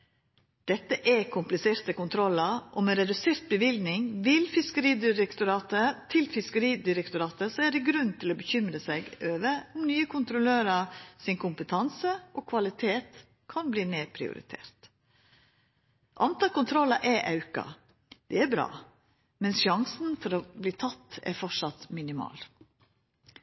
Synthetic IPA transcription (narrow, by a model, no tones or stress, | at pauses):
d̪̥ɛt̪ːəʔɛkʰʊmplɪseːɾt̪əkʊnt̪ʰɾɔlɑʔɔmɛɾɛd̪ʉseːɾt̪̚bəʋɪld̪nɪŋʋɪlfɪskəɾiːd̪ɪɾɛkt̪ʊɾɑːt̪ət̪ʰɪlfɪskəɾiːd̪ɪɾɛkt̪ʊɾɑːt̪əsɔɛɖɛɡɾʉnːt̪ʰɪlɔbəçʏmɾəsɛɪɡøːʋəɔmnyːəkʰʊnt̪ɾʊløːɾɑsɪnkʰʊmpət̪ʰɑnsəʔɔkʰʋɑlɪt̪ʰeːt̪ | kʰɑnbliːneːɾpʰɾɪ̰ʊ̰ɾɪ̰t̪ʰḛːɾt̪ | ʔɑnt̪ɑːlkʊnt̪ʰɾɔlɑʔɛʔɑʉkɑ̰ | d̪̥ɛæɾbɾɑ̰ː | mɛnsʃɑŋsnfɔɾɔbliːt̪ʰɑt̪ːɛ̰ɾfɔʂɑt̪mɪnɪmɑ̰ːl